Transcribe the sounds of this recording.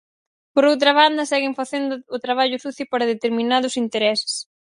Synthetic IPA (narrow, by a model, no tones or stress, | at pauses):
poɾowt̪ɾɐβand̪ɐsɛɣɪɱfaθend̪ʊːt̪ɾaβ̞aʎʊsuθjʊpaɾɐð̞et̪eɾmĩnað̞ʊsint̪eɾɛsɪ̥s